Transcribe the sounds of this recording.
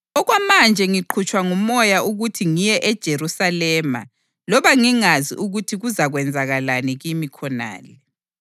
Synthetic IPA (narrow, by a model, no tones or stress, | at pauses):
ɔɣwamand͡ʒʱɛŋiǃʰut͡ʃʰʼwaŋumɔjaʔuɣutʰiŋijɛʔɛd̥ʒ̥ʱeɾusalɛːma̰ | lɔβaŋiŋazḭʔuɣutʰiɣuzaɣwɛnd͡zʱaɣalaniɣimikʰɔna̰ːlɛ